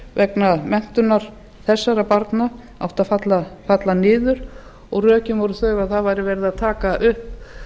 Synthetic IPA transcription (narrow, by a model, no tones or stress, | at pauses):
vɛknamɛn̥t̪ʏnːaɾ̥ | θɛsːaɾapaɾt̪na | a̰wht̪aðfat̪lafat̪lanɪːðʏɾ̥ | ɔɣrœːcʏnvɔɾʏθœːɣaðθaðvajɾɪvɛɾɪðaðt̪ʰaːkaʔʏhp